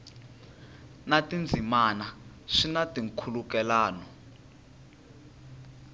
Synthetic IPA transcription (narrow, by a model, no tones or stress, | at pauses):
natʼind͡zʱimana | ʂinatʼiŋkʰulukɛlaːnɔ